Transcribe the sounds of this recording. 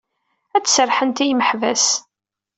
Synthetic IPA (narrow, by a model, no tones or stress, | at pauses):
æt͡sːsərˤħənt̪ijməħvæs